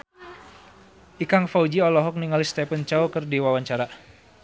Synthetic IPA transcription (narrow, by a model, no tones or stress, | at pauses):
ʔikaŋfaud͡ʒiɔlɔɦɔk̚niŋalist̪ɛpənt͡ʃaukərdiwawaɲt͡ʃaɾa